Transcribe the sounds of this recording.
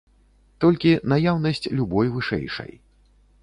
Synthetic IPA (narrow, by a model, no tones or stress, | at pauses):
t̪ɔlʲkʲinajawnɐsʲt͡sʲlʲubɔjvɨʂɛ̰jʂɐ̰j